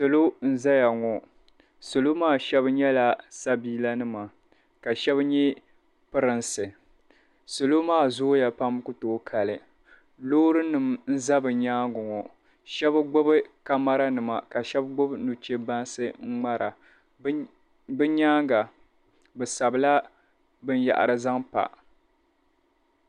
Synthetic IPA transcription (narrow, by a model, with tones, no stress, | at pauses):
sɨ˨lo˦n̩˦za˦ja˨ŋɔ˨ | so˨lo˦maː˦˨ʃɛ˦bɲɛ˦la˨sa˦biː˦la˦nɨ˦ma˨ | ka˨ʃɛ˦bɲɛ˦ | pɨ˦ɾɨ˨nsɨ˨ | so˨lo˦maː˦˨zo˦ja˨pa˦mkʊ˦toː˦kʰa˨lɨ˨ | loː˦ɾɨ˦nɨ˨mn̩˦za˦bɨ˨ɲaː˦ŋɡʊ˨ŋɔ˨ | ʃɛ˦bɨ˦ɡ͡bʊ˦bɨ˦ka˦ma˦ɾa˦nɨ˨ma̰˨ka˨ʃɛ˦bɡ͡bʊ˦bnu˨t͡ʃe˦ba˦nsɨ˦ŋ͡m̩˦ŋ͡ma˦ɾa˨ | bɨ˦ɲaː˦ŋɡa˨ | bɨ˨sa˨bɨ˨la˦ | bɨ˦n˦ja̰˨ʔa̰˨ɾɨ˨za˦ŋpa̰˨